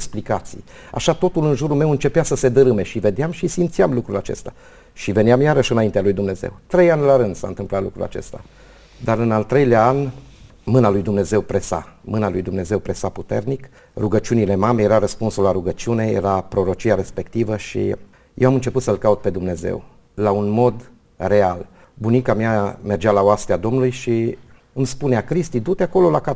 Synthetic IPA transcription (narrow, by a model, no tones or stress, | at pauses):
eksplikat̪sḭj | a̰ʃat̪o̞t̪ulɨnʒuɾulme̞wɨnt͡ʃe̞peasəse̞d̪əɾɨme̞ʃive̞d̪eamʃisimt̪sijamlukɾulat͡ʃe̞̰st̪a | ʃive̞neamjaɾəʃɨnaint̪ealujd̪umne̞zḛwt̪ɾe̞janʲlaɾɨnd̪̥sa̰ɨnt̪ɨmplat̪lṵkɾṵla̰t͡ʃe̞̰st̪a̰ | d̪aɾɨnalt̪ɾe̞jleaan | mɨnalujd̪umne̞ze̞wpɾe̞sa̰mɨnalujd̪umne̞ze̞wpɾe̞saput̪e̞̰rnik | ruɡət͡ʃiunile̞mame̞jeɾaɾəspunsulaɾuɡət͡ʃiune̞jḛɾapɾo̞ɾo̞t͡ʃiaɾe̞spe̞kt̪ivəʃḭ | jewamɨnt͡ʃe̞put̪səlkaut̪̚pe̞d̪umne̞ze̞̰w | launmo̞d̪ | re̞al | bunikamiame̞rd͡ʒalaoast̪ead̪o̞mnulujʃi | ɨmspuneakɾist̪id̪ut̪eako̞lo̞laka